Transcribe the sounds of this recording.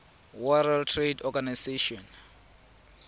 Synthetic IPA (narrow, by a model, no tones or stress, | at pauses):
waɾaltʰredɔɡanaseʃɔn